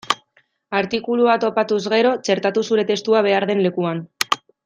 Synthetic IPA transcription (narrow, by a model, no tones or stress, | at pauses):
aɾt̪ikuluat̪o̞pat̪uzɣe̞ɾo̞t͡ʃe̞ɾt̪at̪usuɾe̞t̪e̞st̪uaβ̞e̞aɾðe̞nle̞kuan